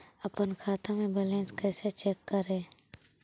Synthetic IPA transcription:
əpənkʰaːt̪amẽbelẽːnskɛːset͡ʃeːkːəɾẽː

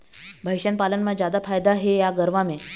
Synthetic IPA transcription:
bʱəjɕənpalənmad͡ʑad̪afajd̪aɦejaɡəɾʋame

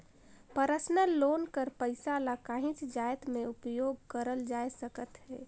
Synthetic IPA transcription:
pəɾəsnəllːoːnkəɾpəɪsalakãːɦɪ̃t͡ʃd͡ʒaːjt̪mẽʊpjoːɡ̚kəɾəld͡ʒaːjsəkət̪ɦɛ̰ː

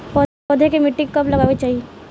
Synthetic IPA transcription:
pɔ | ɔːd̪ʱekemɪʈːɪ̃kkːɐplɐɡaːʋet͡ʃaːɦie

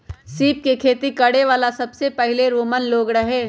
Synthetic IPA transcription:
siːp̚kekʰeːt̪ikɐɽeʋaːlasɐbsepɐɦɪleɾoːmənloːɡɾɐɦeː

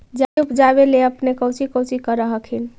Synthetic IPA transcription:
d͡ʒaupd͡ʒaβeleəpnekəwt͡ʃikəwt͡ʃikəɾəɦəkʰin

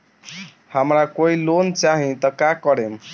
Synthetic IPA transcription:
hamɾakoilont͡saɦĩt̪ʌkakʌɾem

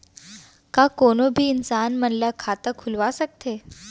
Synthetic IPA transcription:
kakonobʱiːnsanməɳləkʰat̪əkʰulʋasək̚t̪ʰe

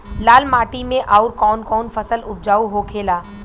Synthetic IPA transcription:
laːlmaːʈimẽʔaːʊɾkɔːnkɔːnfɐsəlʊb̚d͡ʒaːuɦokʰeːlaː

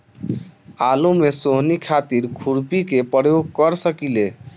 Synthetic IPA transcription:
alumesoɦnikʰat̪iɾkʰuɾpikepəɽjoɡkəɾsəkile

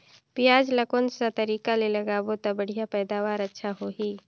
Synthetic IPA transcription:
pɪjaːd͡ʒləkonsat̪ɐɾiːkalelɐɡaːbot̪abəɽ̤ijapɛːd̪aːʋaːɾətːʃʰaɦoːɦiː

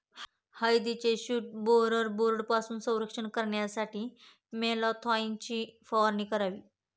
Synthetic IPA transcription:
həjd̪it͡ɕeɕuːʈ̚boɾəɾboɾɖpasuːnsə̃w̃ɾəkʂəɳkəɾɳjasaʈiː | melɔt̪ʰɔint͡ɕiːfɔʋəɾniːkəɾaʋiː

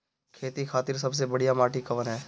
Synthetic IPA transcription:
kʰeːt̪ikʰaːt̪ɪɾs̬ɐbs̬ebɐɽijamaːʈikɐʋənɦɛː

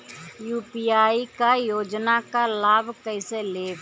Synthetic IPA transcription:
juːpiːaːikajoːd͡ʒnakalaːbkəɪseleː

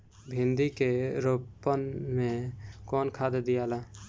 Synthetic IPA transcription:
bʱĩnd̪ikeɾopːənmẽkɔːnkʰad̪d̪ijaːlaː

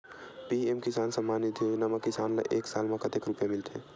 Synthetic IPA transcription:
piemkisansəmːanit̪jod͡ʒnamekisanla̰ʔeksalmẽkət̪ekɾupjamilt̪ʰḛ

